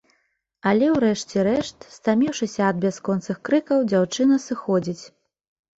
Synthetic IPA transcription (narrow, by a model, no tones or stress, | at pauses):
ɐlʲɛwɾɛʂt͡sʲɛɾɛʂt̪st̪amʲiwʂɨsʲɐːd̪̚bʲaskɔnt̪sɨxkɾɨkɐwd͡zʲawt͡ʂɨnɐsɨxɔd͡zʲit͡sʲ